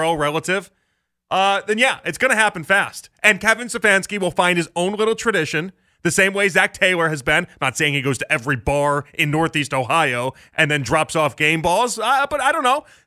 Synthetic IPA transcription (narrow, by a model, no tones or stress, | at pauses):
oʊɹɛlˠəɾɪv̥ | ʔʌɨ̃njæʔɨtsɡ̥ʌñɨɦæpn̩fæstʔɨ̃nkɛvɨ̃nsɨfæ̃nskiwəlˠfãɪ̃nd̚ɨzõʊ̃nlɪɾl̩ˠtʰɹ̥ɨɾɪʃɨ̃n | ðɨsẽɪ̃mweɪzæk̚tʰeɪlˠə˞ɨzbɨ̃nːətseɪɪ̃ŋiɡoʊz̥tʰɨʔɛvɹibɑɹʔɨ̃nːɔɹθistoʊhaɪoʊ | ʔɨ̃nðɨ̃ndɹɑpsɔfɡ̥ẽɪ̃mbɔlˠzb̥ʌɾaɪɾõʊ̃nːoʊ